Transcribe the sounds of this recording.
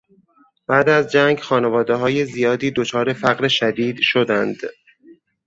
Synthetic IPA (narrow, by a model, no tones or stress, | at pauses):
b̥æːd̪æzd͡ʒæŋɡxɒːnevɒːd̪eɦɒːje̞zijɒːd̪iːd̪o̞t͡ʃʰɒːɾe̞fæɣɾeʃæd̪iːd̪ʃod̪ænd̪̥